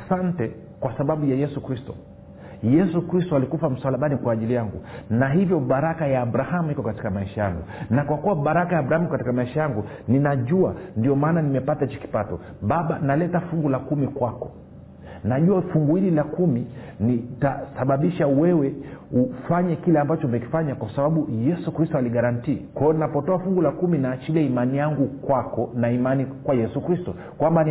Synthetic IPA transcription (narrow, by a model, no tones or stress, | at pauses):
asantɛ | kwasaɓaɓujajɛsukɾistɔ̰ | jɛsukɾistɔalikufam̩swalaɓanikwaːʄilijaŋɡṵnaɦivjɔɓaɾakajaːɓɾahamuikɔkati̥kamaiʃajaŋɡunakwakuwaɓaɾakajaːɓɾahamukati̥kamaiʃajaŋɡu | ninaʄua̰ndiɔmaːnanimɛpatat͡ʃi̥ki̥patɔ̰ | ɓaɓanalɛtafuŋɡulakumikwakɔ̥ | naʄuafuŋɡuililakumi | nitasaɓaɓiʃawɛwɛufaɲɛkilɛambat͡ʃɔmɛki̥faɲakwasaɓaɓujɛsukɾistɔaliɠaɾantiːkwajɔninapɔtɔafuŋɡulakuminaːt͡ʃiliaimanijaŋɡukwakɔnaimanikwajɛsukɾistɔ | kwamban